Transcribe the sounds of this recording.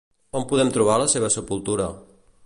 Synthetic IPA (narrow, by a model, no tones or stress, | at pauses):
ɔmpuðɛmt̪ɾuβ̞aləseβ̞əsəpulˠt̪uɾə